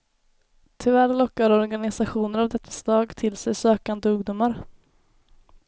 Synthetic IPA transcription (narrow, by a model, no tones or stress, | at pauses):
t̪ʰɪvæɾlɔkːaɾɔɾɡanɪsaɧuːnəɾavd̪ɛt̪ʰːḁst̪ɑːɡt̪ʰɪlsɛjsøːkand̪əɵɡd̪ʊmaɾ